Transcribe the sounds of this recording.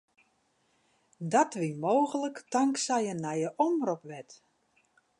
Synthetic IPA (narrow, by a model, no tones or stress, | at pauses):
dɔtʋimoːɣələktɔŋksɛjənɛjəʔɔmropʋɛt